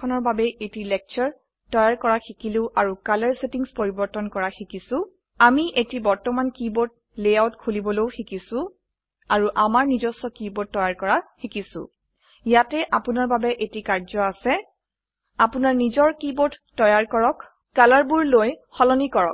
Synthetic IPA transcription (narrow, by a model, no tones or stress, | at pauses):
ɔnɔɹbabɛʔetilɛk̚t͡ʃɔɹ | tɔjaɹkɔɹaxikileʊʔaɹukalaɹsetiŋspoɹibɔɹtɔnkɔɹaxikisʊ̃ | amiʔetibɔɹtɔmankibot̚ | lejawtkʰulibɔlowxikisʊ̃ | aɹuʔamaɹnizɔsɔkibɔt̚ːɔjaɹkɔɹaxikisʊ̰̃ | jatɛʔapunaɹbabɛʔetikaɹzɔasɛ | apʊnaɹnizɔɹkibottɔjaɹkɔɹɔk | kalaɹbuɹlojxɔlɔnikɔɹɔ̰k